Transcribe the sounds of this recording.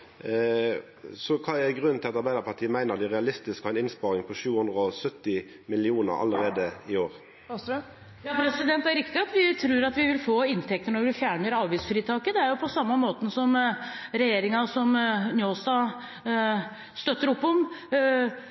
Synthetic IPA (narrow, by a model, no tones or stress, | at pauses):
sɔkʰɑːɛɡʁʉnnt̪ʰɪlɑt̪ɑɾbæɪd̪əɾpʰɑt̪ʰiːəmæɪnəʁd̪ɛɪʁɛɑlɪst̪ɪskɑʋɛnɪnspɑːʁɪŋpʰɔʃʉːhʊnd̪ʁəɔsœt̪ːɪ | mɪlɪuːnə̰ɾɑ̰ləʁeːd̪əɪoːʁ | jɑːpʰɾɛsɪd̪ɛnt̪æɾɪkt̪ɪɑt̪ʋɪt̪ʰɾʉːɾɑt̪ʋɪʋɪlfoːɪnt̪ʰɛk̚t̪əɳɔɾʋɪfjæːɳəɾɑːʋɪsfɾiːt̪ʰɑːkəd̪ɛæɾjʊpʰɔsɑmːəmoːt̪ən̩sɔmɾɛjeːɾɪŋɑsɔmnjoːst̪ɑ | st̪œt̪ːəɾɔpːɔm